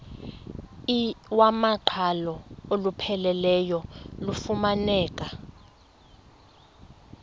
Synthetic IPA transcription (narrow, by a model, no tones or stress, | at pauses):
iwamaǃʰalɔolupʰɛlɛlɛjɔlufumanɛːkʼa